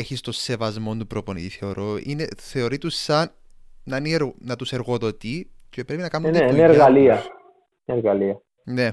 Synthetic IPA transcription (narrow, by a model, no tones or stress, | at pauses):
eçist̪osːe̞vɐzmo̞nt̪upɾoponḭt̪iθe̞o̞ɾo̞ineθe̞oɾit̪usːɐn | nɐnieɾnɐt̪use̞ɾɣo̞ðo̞t̪icepɾe̞pinɐkɐnuneineeɾɣɐliɐ | neɾɣɐliɐ | ne